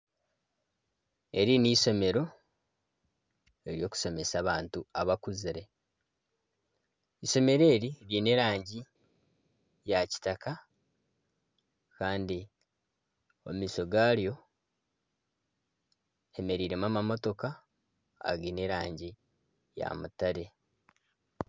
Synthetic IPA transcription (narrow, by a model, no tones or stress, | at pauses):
e̞ɾiniːso̞me̞ɾo̞ | e̞ɾjo̞ːku̥so̞me̞saːβaːntuaβakuziɾe̞ | iso̞me̞ɾe̞ːɾiɾine̞ɾaːɲɟi | jaci̥taka | kaːndi | o̰mmiːso̞ɡaːɾjo̞ | eme̞ɾiːɾe̞mamamo̞to̞ka̰ː | ɡine̞ɾaːɲɟi | ja̰mutaɾe̞